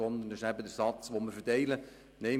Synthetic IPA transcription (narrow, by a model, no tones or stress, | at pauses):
ɔnd̪əndɪʃæbəd̪əɾsɑt͡sʋoməɾfəɾtɛɪlə | nɛɪ